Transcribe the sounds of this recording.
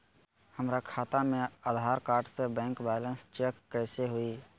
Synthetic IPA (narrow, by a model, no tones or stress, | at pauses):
həmɾakʰaːt̪amẽaːd̪ʱaːɾkaːɾɖsebɛ̃ːŋkbɛːlənst͡ʃeːkːɛːseɦʊiː